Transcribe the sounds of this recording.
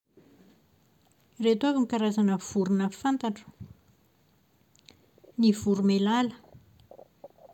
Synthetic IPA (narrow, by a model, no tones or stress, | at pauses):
ret̪avamikaɾazanəv̥uɾunəfant̪aʈ͡ʂu̥ | nivuɾumelalə̥